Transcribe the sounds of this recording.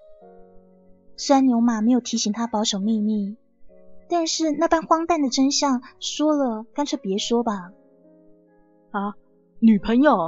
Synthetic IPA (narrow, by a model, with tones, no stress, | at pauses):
sa˥nnjo˧˥ʊma˨˩me˧˥ɪjo˨˩ʊt̪ʰi˧˥ɕi˧˥ŋt̪ʰa˥pɑ˧˥ʊʂo˨˩ʊmi˥˧mi˥˩ | t̪a˥˧nʂɻ̩˥˧na˥˩pa˥nxwɑ˥ŋt̪a˥˩nd̪ə˨˩ʈ͡ʂə˥nɕjɑ˥˩ŋʂwɔ˥lə˨ka˥nʈ͡ʂʰɤ˥˩pjɛ˧˥ʂwɔ˥bɐ˨ | a˧˩ | ny˨˩pʰə˧˥ŋjo˨˩ʊ